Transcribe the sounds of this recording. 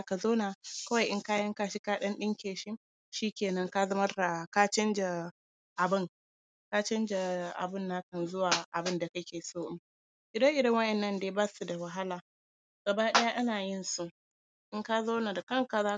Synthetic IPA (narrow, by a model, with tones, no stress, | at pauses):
ka˨zoː˦naː˨kɐ˦wa˨jʔɪ˦ŋkaː˦jɐ˦ŋka˦ʃi˦kaː˦ɗɐ˦nɗɪ˦ŋkʲeː˨ʃɪ˦ | ʃiː˦kʲeː˨nɐ˦ŋka˦zɐ˦mɐ˦rda˨ka˦t͡ʃɐ˦nd͡ʒa˨ | ʔa˨bɪ˦ŋ | ka˦t͡ʃɐ˦nd͡ʒa˨ʔa̰˨bɪ˦nːa˦kɐ˨nzʊ˦waː˨ʔa˨bɪ˦nda˨kɐ˦kʲeː˨soː˦ʔɪ˦m | ʔɪ˨dɐ˦ŋʔɪ˨dɐ˦ŋwɐ˦ʔɛ˨nːɐ˦ndeː˨˦baː˦su˨da˨wɐ˨ɦa˦laː˨ | ɡ̥ɐ˨baː˦ɗɐ˦ja˦ʔa˦naː˨jɪ˦nsu˦ʔ | ʔɪ˦ŋka˦zoː˦na˨da˨kɐ˦ŋka˨zaː˦